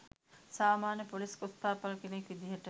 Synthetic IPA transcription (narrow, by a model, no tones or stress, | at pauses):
saːmaːnəpoliskost̪aːpɐlkenekʋid̪iɦəʈə